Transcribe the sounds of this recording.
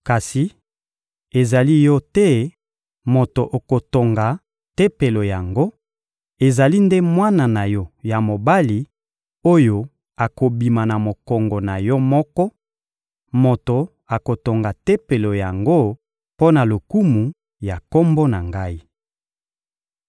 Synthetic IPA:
ka˨si˨ | e˨za˨li˦jɔ˦tɛ˦ | mo˨to˨ʔo˨ko˨to˨ŋɡa˨ | te˦pe˨lo˨ja˨ŋɡo˦ | e˨za˨li˦nde˦mwa˦na˨na˨jɔ˦ja˨mo˨ba˦li˨ | o˦jo˨ | a˨ko˨bi˨ma˨na˨mo˨kɔ˨ŋɡɔ˨na˨jɔ˦mɔ˦kɔ˦ | mo˨to˨ | a˨ko˨to˨ŋɡa˨te˦pe˨lo˨ja˨ŋɡo˦ | po˦na˨lo˨ku˦mu˨ | ja˨ko˦mbo˦na˨ŋɡa˦i˦

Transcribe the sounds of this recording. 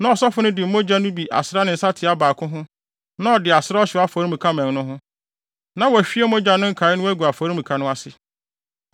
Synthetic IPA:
nã˨ɔ˨sɔ˦fʊ˦nʊ̃˦dɪ˨m̩˨˦mõ˦d͡ʑa˦nʊ̃˦bi˨ʔa̰˨sɾa˦nɪ̃˨n̩˨sa˦tʰɪ˨a˦baː˨kʰʊ̃˦ɦʊ̃˦ | nã˦ɔ˨dɪ˨a˨sɪ˦ɾa˦ɔ˦ɕɪ˨˦a˦fɔ˨ɾi˦mũ˨kʰa˦mɛ̃˨ŋ˦nʊ̃˦ɦʊ̃˦ | nã˨wɔ˨æ˨fi˦e˦mõ˦d͡ʑa˦nʊ̃˦ŋ̩˦kʰaː˨˦ɪ˦nʊ̃˦æ˦ɡʷu˨a˨fɔ˨ɾi˦m̩ũ˨kʰa˨nʊ̃˦a˦sɪ˦

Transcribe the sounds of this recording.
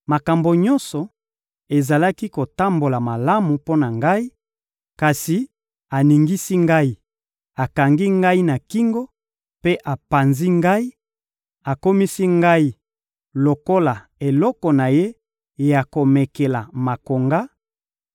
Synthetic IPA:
ma˨ka˨mbo˨ɲɔ˦nsɔ˨ | e˨za˨la˦ki˦ko˨ta˦mbo˨la˨ma˨la˦mu˨po˦na˨ŋɡa˦i˦ | ka˨si˨ | a˨ni˨ŋɡi˦si˦ŋɡa˦i˦ | a˨ka˨ŋɡi˦ŋɡa˦i˦na˨ki˦ŋɡo˦ | pe˦ʔa˨pa˨nzi˦ŋɡa˦i˦ | a˨ko˦mi˦si˦ŋɡa˦i˦ | lo˨ko˦la˨ | e˨lɔ˦kɔ˨na˨je˦ | ja˨ko˨me˨ke˨la˨ma˨ko˨ŋɡa˦

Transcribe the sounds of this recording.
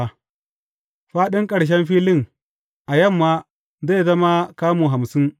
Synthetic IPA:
ɸaː˦ɗɪ˦ŋkʼɐ˨ɽʃ̬ɛ˦mɸiː˦lɪ˦ŋ | ʔa˨jɐ˦˨mːa˦ | ze˦˨zɐ˦ma˦kaː˦muː˨ɦa˨msɪ˦ŋ

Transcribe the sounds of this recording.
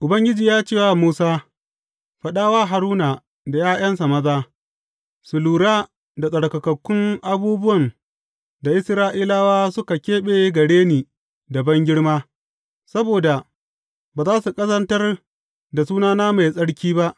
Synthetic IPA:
ʔʊ˨bɐ˦ŋɡʲɪ˦d͡ʒiː˨jaː˦t͡ʃeː˦˨wa˨muː˦saː˦ | ɸɐ˦ɗaː˦waː˦ɦa˨ɾuː˦na˨ | da˨jaː˦j̰ɐ˦nsa˨mɐ˦zaː˦ | sʊ˨luː˨ɽaː˦ | da˨sʼɐ˨ɽkɐ˨kɐ˨kʷːʊ˦ŋʔa˦buː˦bʊ˦wɐ˨n | da˨ʔɪ˦sɾaː˦ʔiː˦laː˦waː˦sʊ˦ka˨kʲeː˦ɓeː˦ɡɐ˨ɽeː˦niː˨ | da˨bɐ˦ŋɡʲɪ˦ɽmaː˦ | sɐ˦boː˨da˨ | baː˨zaː˦su˨kʼɐ˦zɐ˦ntɐ˦r | da˨suː˦naː˦naː˦ma˨jsʼɐ˦ɽkʲiː˦ba˦ʔ

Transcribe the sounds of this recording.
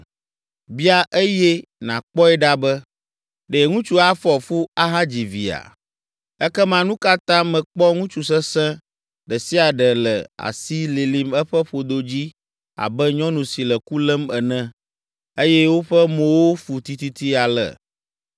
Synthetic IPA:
bi˦a˦ʔe˦jɛ˦nã˨k͡pɔ˦ɛ˦ɖa˦bɛ˦ | ɖe˨ŋũ˦t͡ʃu˦a˦fɔ˨fo˦a˦ɦã˦d͡ʑi˨vi˨a̰˨ | ɛ˦kɛ˦mã˨nũ˦ka˦t̪ã˦mɛ̃˨k͡pɔ˦ŋũ˦t͡ʃu˨s̬ɛ˦sɛ̃˦ | ɖɛ˨si˦a˨ɖɛ˨lɛ̰˨a̰˨si˦li˨li˨mɛ˦ɸɛ˦ɸo˨d̪o˨d͡ʑi˦ | a̰˨bɛ˦ɲɔ̃˦nũ˨si˨lɛ˨ku˦lɛ˦mɛ˨nɛ̃˦ | e˦jɛ˦wo˦ɸɛ˦mõ˨wo˦ɸu˨t̪i˨t̪i˦t̪i˦a˨lɛ̰˨

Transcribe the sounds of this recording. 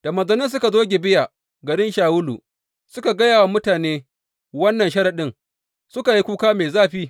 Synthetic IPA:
d̥a˨mɐ˨zɐ˨nɪ˦ns̬ʊ˦ka˨zoː˦ɡʲe˨bɪ˦ja˨ | ɡɐ˨ɽɪ˦nʃaː˨wʊ˦lṵ˨ | sʊ˦ka˨ɡɐ˦jaː˨wa˨mʊ˦taː˨neː˦ | wɐ˦nːɐ˨ʃɐ˦ɾa˨ɗɪ˦ŋ | sʊ˦ka˨ji˦kʷuː˦kaː˦meː˨zaː˦ɸiː˦

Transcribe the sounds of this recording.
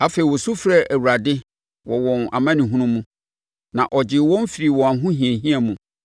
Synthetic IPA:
a˦fe˨i˨wɔ˨su˦fɾa˦ʔæ˨wu˨ɾa˨dɪ˦ | wɔ˨wɔ̃˨na̰˨mã˦nɪ̃˨ɦũ˦nʊ̃˦mũ˦ | nã˨ʔɔ˨d͡ʑɪ˨˦wɔ̃˦m˦fi˨ɾi˨wɔ̃˨a˨˦ɦʊ̃˦hĩ˨ɛ̃˨ɦĩ˦a˨mũ˨

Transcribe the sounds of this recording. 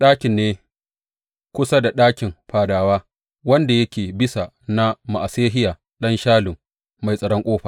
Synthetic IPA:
ɗaː˦kʲɪ˨nːeː˦ | kʷʊ˦sa˦da˨ɗaː˦kʲɪ˨mɸaː˨daː˨waː˦ | wɐ˦nda˨jɐ˦kʲeː˨bɪ˦sa˨ | na˦ma˨ʔa˨seː˦ɦɪ˦jaː˨ | ɗɐ˦nʃaː˦lʊ˨m | ma˨jsʼɐ˨ɽɔ˦ŋkʷʼoː˦ɸaː˨

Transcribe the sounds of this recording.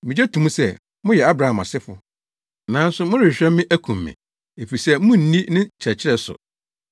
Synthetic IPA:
mɪ̃˨d͡ʑɛ˦tʰũ˨mũ˦sɛ˦˨ | mʊ̃˦jɛ˨a˦bɾa˨ã˨mã̰˨sɪ˦fʊ̰˨ | nã˨˦n̩˦sʊ˦mʊ̃˦ɾɪ˨ɕᶣɾɛ̃˦mːɪ̃˦ʔæ˦kʰũ˨mːɪ̰̃˨ | e˨fi˨sɛ˦mʊ̃˦n̩˨nĩ˦nɪ̃˦t͡ɕʰɾɛ˨t͡ɕʰɪ˦ɾɛ˦sʊ̰˨

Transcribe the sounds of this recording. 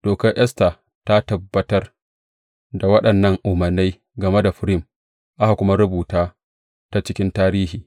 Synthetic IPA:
d̥oː˨kɐ˦rʔɛ˦sta˨ | ta˦tɐ˨bːɐ˨˦tɐ˦r | da˨wɐ˦ɗɐ˨nːɐ˦ŋʔʊ˨mɐ˨rnːe˦j | ɡɐ˨me˦da˨ɸɪ˦ɾɪ˦m | ʔa˦ha˨kʷʊ˦ma˦ɾʊ˦buː˨taː˦ | ta˦t͡ʃɪ˦kʲɪ˦ntaː˦ɾiː˦hiː˨

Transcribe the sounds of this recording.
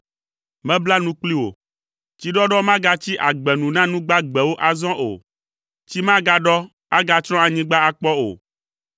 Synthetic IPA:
mɛ̃˦bla˦nũ˦k͡pli˦wo̰˨ | t͡ɕi˦ɖɔ˦ɖɔ˦mã˦ɡa˦t͡ɕi˦ʔa˨ɡ͡bɛ˨nũ˨nã˦nũ˦ɡ͡ba˦ɡ͡bɛ˨wo˦ʔa˨zɔ̃˦ʔo̰˨ | t͡ɕi˦mã˦ɡa˦ɖɔ˦ | a˦ɡa˦t͡ʃɾɔ̃˦a˨ɲĩ˦ɡ͡ba˦a˨k͡pɔ˦o̰˨

